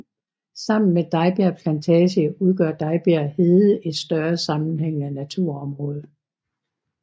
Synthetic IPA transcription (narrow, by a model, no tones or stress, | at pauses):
sɑ̈m̰n̩med̥ɑ̈ɪb̥æɐpʰlænt͡sʰɛɕəuð̞ˠɡ̥ɶɐ̰d̥ɑ̈ɪb̥æɐhe̝ð̩ˠəe̝d̥sd̥ɶɐsɑ̈mn̩ɦeŋ̰ænæt͡sʰuɐ̰ɒ̽mʁɔ̽ːð̞ˠ